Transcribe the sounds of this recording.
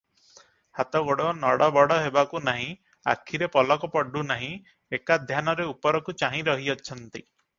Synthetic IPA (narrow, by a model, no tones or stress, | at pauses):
hat̪ɔɡoɽɔnɔɽɔbɔɽɔɦebakunaɦĩ | a̰kʰːiɾepɔlɔkɔpɔɖunaɦĩ | ekad̪ʱjanɔɾeupɔɾɔkut͡ʃaɦĩɾɔɦiɔt͡ʃʰɔnt̪i